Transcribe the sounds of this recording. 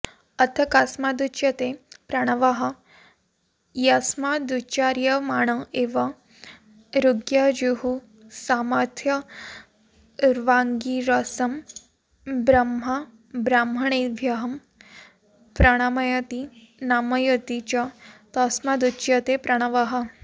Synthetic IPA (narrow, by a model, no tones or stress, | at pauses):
ɐt̪ʰɐkaːsmad̪ut͡ʃjɐt̪epɾɐɽ̃ɐʋaɦɐ̆ | jasmad̪ut͡ʃaːɾjɐmaːɳ̃ɐʔeːʋɐ | ɾuɡjad͡ʒuɦu | saːmɐɾt̪ʰjɐ | ɾʋaːŋɡiɾɐsɐm | bɾɐmɦɐ | bɾaːmɐɳ̃eʋʱjɐɦɐm | pɾɐɽ̃aːmɐjɐt̪i | naːmɐjɐt̪it͡ʃɐt̪ɐsmad̪ut͡ʃjɐt̪epɾɐɽ̃ɐʋaɦɐ